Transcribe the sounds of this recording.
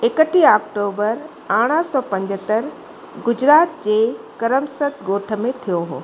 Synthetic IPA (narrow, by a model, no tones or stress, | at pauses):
ekəʈʰiaːk̚ʈoːbəɾ | aːɽ̃əsɔːpɐ̃ɲd͡ʑət̪əɾ | ɡʊd͡ʑɾaːt̪̚d͡ʑeːkəɾəmsət̪ɡoːʈʰə̆mẽt̪ʰijoɦo̰ː